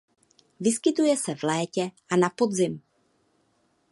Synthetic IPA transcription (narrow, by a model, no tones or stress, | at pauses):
vɪskɪt̪ujɛsɛvlɛːcɛʔanapo̞d̪zɪm